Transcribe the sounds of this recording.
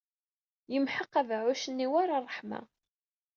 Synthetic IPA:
jəmħəqːævʕʊʃənːiwaɾarˤːəħma̰

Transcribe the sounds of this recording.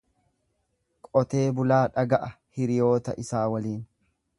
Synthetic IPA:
kʼɔt̪e̞ːbʊlaːᶑɐɡɐʔɐhɪɾɪjo̞ːt̪ɐ̰ʔɪsaːwɐliːn

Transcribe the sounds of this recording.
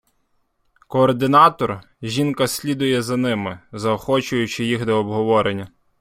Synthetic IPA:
kɔːrd̪ɪnɑt̪ɔr | ʒʲinkɐsʲlʲid̪ʊjɛzɐnɪmɪzɐɔxɔt͡ʃʊjʊt͡ʃɪjixd̪ɔːbɦɔʋɔɾenʲːɐ

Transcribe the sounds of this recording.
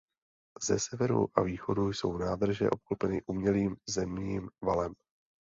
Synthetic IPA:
zɛsɛvɛɾṵʔa̰viːxo̞dujso̞wnaːd̪r̩ʒɛ̰ʔo̞p̚klopɛnɪʔumɲɛliːmzɛmɲiːmvalɛm

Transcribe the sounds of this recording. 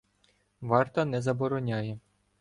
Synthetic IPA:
ʋɑrt̪ɐnɛzɐbɔɾɔnʲajɛ

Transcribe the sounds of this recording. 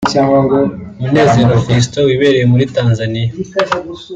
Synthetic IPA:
caːŋɡaŋɡomune̞ːze̞ɾofis̬towiβe̞ːɾejemuɾitaːnzanija

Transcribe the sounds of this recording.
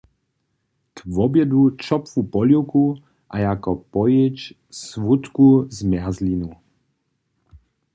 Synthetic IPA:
t̪vɔbjɛd̪ut͡ʃɔpvupɔljuku | ʔa̰jakɔpɔjɪt͡ʃ | svut̪kuzmjazlinu

